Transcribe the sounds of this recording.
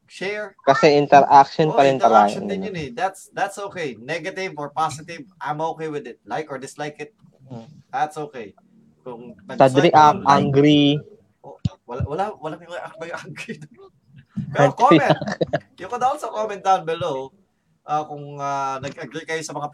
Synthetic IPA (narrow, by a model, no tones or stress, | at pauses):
ʃɛɹkɐsɛʔɪnt̪ɛɾʔak̚ʃonppɐɾɪnp̪ɐɾajɐ̰nnʊnɛd̪ɐt̪sd̪at̪sʔoːkejnɛɡɐt̪ɪvoɹpasɪt̪ɪvʔajmoːkejwɪd̪ɪt̪̚lajkɔɹd̪ɪslajkɪt̪̚ | d̪ɐt̪sʔoːkɛj | kʊŋɐsad̪ɾiʔapʔaŋɡɾi | owɐwɐlawɐlaŋjmɐŋɐʔakbɐjʊʔaŋɡɾid̪ | aɡkoimɛjʊkod̪ɐpɐt̪sɐkomɛnt̪anbɛlow | ʔaːkʊŋanɐɡɐɡɾikɐjosɐmɐŋa